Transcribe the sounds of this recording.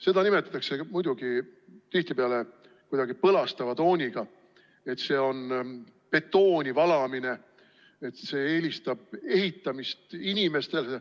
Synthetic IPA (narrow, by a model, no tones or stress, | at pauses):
se̞d̪̥ɑnimet̪ːˑɑt̪ːˑɑkse̞mujd̪uɡ̥it̪iht̪ipeɑle̞ | kujd̪̥ɑɡ̥ipɤlɑst̪ɑvɑt̪o̞ːnʲiɡ̥ɑ | e̞t̪ːse̞ːo̞n | pe̞t̪ːo̞ːnʲivɑlɑmine̞ | et̪ːse̞ːe̞ːlʲist̪ɑb̥e̞ɦit̪ːɑmist̪inʲime̞st̪e̞l